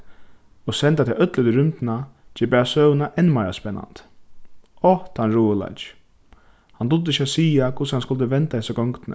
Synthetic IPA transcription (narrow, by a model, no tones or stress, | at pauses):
ɔsɛnt̪at̪ʰɛʔœt̪lət̪ʏɾʏmt̪ɪnat͡ʃɛːpæːɹasœːwnaʔɛnmaːɾa̰spɛnːa̰nt̪ | ɔht̪hanɹuːɪla̰t͡ʃ | hant̪ʊd̪ɪɪɕasiːakʰʊshanskʊlt̪̬əʋɛnt̪ahɛsaɡɔŋkt̪nə̰